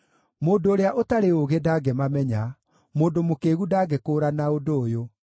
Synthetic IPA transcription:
moːdoːɾeaʔotaɾeoɣedaɡɛmamɛɲa | moːdomokeːɣudaːɡekoːɾanaodoːjo

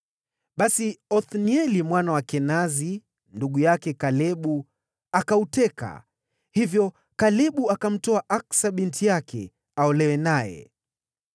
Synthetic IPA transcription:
ɓasiɔθniɛlimwanawakɛnazi | nduɠujakɛkalɛɓu | akautɛka̰ | hivjɔ | kalɛɓuakam̩tɔaʔaksaɓintʰijakʰɛ̰ | aɔlɛwɛnajɛ̰

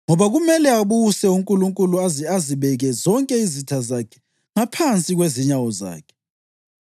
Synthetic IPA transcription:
ŋɔβaɣumɛlɛaβusɛuŋkʼuluŋkʼuluaziaziβɛɣɛzɔŋkʼɛizitʰazakʰɛ̥ | ŋapʰant͡sʼiɣweziɲawɔza̰ːkʰɛ̥

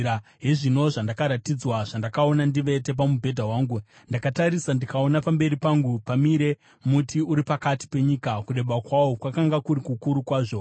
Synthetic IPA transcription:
aɦeʐino̞ʐandakaɾatid͡zwaʐandakao̞nandiʋe̞te̞p̬amubʱe̞dʱawaːŋɡu | ndakataɾisandikao̞napambe̞ɾipaŋɡupamiɾe̞ | mutʰiuɾipakati̥pe̞ɲikakuɗe̞ɓakwawokwakaŋɡakuɾikukuɾukwaːʐo̞

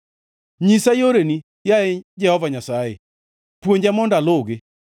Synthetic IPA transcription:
ɲisajoɾeni | jaed͡ʒɛhɔvaɲasaḛ | pwoɲd͡ʒamɔndaloɡe

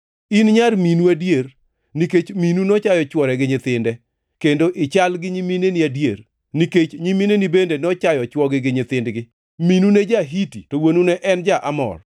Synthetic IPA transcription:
inɲarminuadjer | niket͡ʃminunɔt͡ʃajɔt͡ʃwɔɾɛɡɪɲɪt̪ɪndɛ | kendoʔɪt͡ʃalɡɪɲiminenɪadjer | niket͡ʃɲiminenibendenɔt͡ʃajɔt͡ʃwɔɡɪɡɪɲɪt̪ɪndɡɪ | minuned͡ʒaɦititowonunɛʔɛnd͡ʒaʔamɔ̰r

